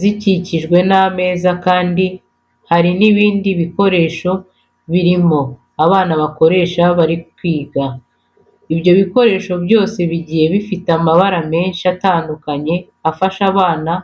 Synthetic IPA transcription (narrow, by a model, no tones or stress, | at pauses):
ziciciʒɡwe̞name̞ːzakaːndi | haɾiniβiːndiβiko̞ɾe̞ːʃo̞ | βiɾimo̞ | aβaːnaβako̞ɾe̞ːʃaβaɾikwiːɡa | iβjo̞βiko̞ɾe̞ːʃo̞bjo̞ːse̞βiɟiːhe̞βifitamaβaɾame̞ːnʃiataːndukaɲe̞ | afaʃaβaːna